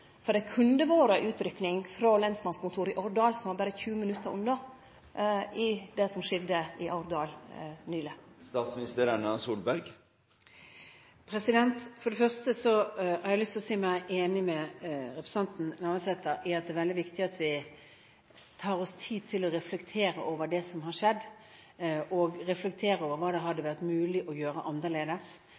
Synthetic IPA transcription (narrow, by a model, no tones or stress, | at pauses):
fɔd̪ɛækʰʉnd̪əʋoːɾəʔʉːt̪ɾʏknɪŋfɾolɛnsmɑnskʊnt̪ʰuːɾɪʔɔɾd̪ɑːlsɔmʋɑːbæːɾəçʉːəmɪnʉt̪ːəɾʊ̰nːɔ | ɪd̪ɛsɔmʂɪd̪əɪʔɑʊɾd̪ɑːlnyːləst̪ɑːt̪smɪnɪst̪ʰeːɾənɑsuːlbæɾɡ | pʰɾɛsɪd̪ɛnt̪fɔɖ̪ɛfœʁst̪əsɔhæɾæɪlʏst̪ɔsiːmæɪʔeːnɪmɛɾɛpɾɛ̥sɛnt̪n̩næʁməsɛt̪ːəɾæɾɑt̪̚d̪ɛːʋɛld̪ɪʋɪkt̪ɪɑt̪ʋɪ | t̪ʰɑːɾɔst̪ʰiːd̪̚t̪ʰɪlɔɾɛflɛkt̪ʰeːɾəʔoːʋəd̪ɛsɔmɦɑɾʂɛd̪ː | ʔɔɡɾɛflɛk̚t̪ʰeːɾəoːʋəɾʋɑːd̪ɛɦɑd̪ːəʋæʁt̪mʉːlɪʔɔjøːɾəʔɑnʁəleːd̪əs